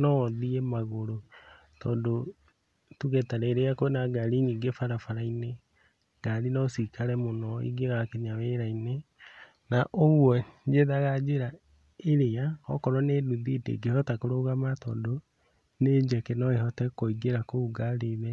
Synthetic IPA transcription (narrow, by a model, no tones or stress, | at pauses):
nɔðiemaɣoɾo | tɔːndo | tuɣetaɾeːɾeakoenaɡaɾiniːɡefaɾafaɾaine | ɡ̥aɾinɔsikaɾɛmonɔḭɡeɣakeɲaweɾaine | naʔoɣwɔd͡ʒeðaɣad͡ʒeɾa | eɾeaɔkɔɾɔneːduðidḛɡehɔtakoɾoɣamatɔ̰ːndo | neɲd͡ʒɛkenɔehɔtɛkoiɡeɾakouɡaɾeðɛ